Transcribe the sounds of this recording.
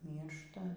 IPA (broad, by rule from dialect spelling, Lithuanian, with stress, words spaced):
ˈmʲiːrʃtɐ